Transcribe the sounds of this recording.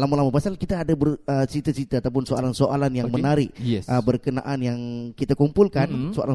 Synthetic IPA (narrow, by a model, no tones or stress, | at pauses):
lamalamapasalkit̪aːdabərət͡ʃit̪at͡ʃit̪aːt̪awp̬ʊnsoalansoʔalanjaŋmənaɾɪk̚ɛsəbərkəna̰ʔanjaŋkit̪akumpulkansoʔa̰lan